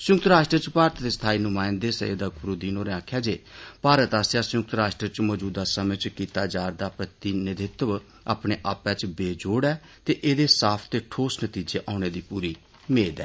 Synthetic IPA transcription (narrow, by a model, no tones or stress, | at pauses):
sjʊkt̪ɾaːʃʈɾət͡ʃpaːɾət̪d̪eːst̪ʰaːiːnʊmãːɪnd̪eːsə̰ḛːd̪aːɡʊɾoːd̪iːnoːɾeãːkʰjaːd͡ʒeːpaːɾət̪aːsjaːsjʊk̚t̪ɾaːʃʈɾət͡ʃmɔːd͡ʒuːd̪aːsəmẽːt͡ʃkiːt̪aːd͡ʒaːɾd̪aːpɾət̪iːnɪd̪ɪt̪əʋ | aːpɽeːʔaːpɛːt͡ʃbeːd͡ʒoːɽɛː | t̪eːʔeːd̪eːsaːpʰt̪eːʈʰoːsnət̪iːd͡ʒeːʔaːʊñeːd̪iːpuːɾiː | meːd̪ɛ̰ː